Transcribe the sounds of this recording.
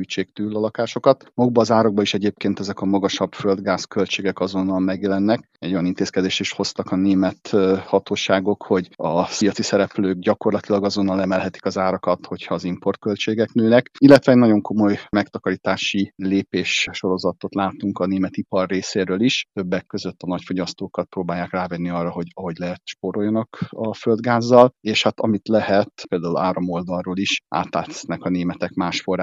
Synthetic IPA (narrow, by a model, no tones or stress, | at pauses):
yt͡ʃeːk̚t̪yːlːɒlɒkaːʃo̞kɒt̪mɒuɡbɒːzaːɾɒɡ̚bɒiʃɛɟeːp̚keːnt̪ɛzɛkɒmɒɡɒʃɒb̥føld̪ɡaːskø̞lt͡ʃeːɡɛkɒzo̞nːɒlmɛɡjɛlɛnːɛk | ɛɟo̞jɒnint̪eːskɛd̪eːʃt̪iʃho̞st̪ɒkɒneːmɛt̪hɒt̪oːʃaːɡo̞kho̞ɟɒsijɒt̪sisɛɾɛpløːɡɟɒko̞rlɒt̪ilɒɡɒzo̞nːɒlɛmɛlɦɛt̪i̥kɒzaːɾɒkɒt̪ho̞chɒːzimpo̞rt̪̚kølt͡ʃeːɡɛknøːnɛkilːɛt̪ʋɛːɟnɒɟo̞ŋko̞mo̞jmɛkt̪ɒkɒɾit̪aːʃileːpeːʃʃo̞ɾo̞zɒt̪o̞t̪laːt̪uŋkɒneːmɛt̪ipɒrːeːseːɾøːliʃt̪ø̞bːɛkːøzøt̪ːɒnɒcfo̞ɟɒst̪oːkɒt̪̚proːbaːjːaːkraːvɛnːiɒrːɒɦoɟɒɦo̞ɟlɛɦɛt̪ʃpoɾo̞ljɒnɒkɒføld̪ɡaːzːɒleːʃhat̪ɒmit̪lɛhɛt̪peːld̪aːulaːɾomo̞ld̪ɒrroːliʃʔa̰ːt̪la̰ːt̪ɛ̥nɛkɒneːmɛt̪ɛkmaːʃfo̞raː